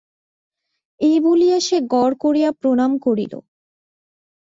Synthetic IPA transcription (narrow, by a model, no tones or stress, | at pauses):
ebulijaʃeɡɔɾkoɾijapɾonamkoɾḭlo̰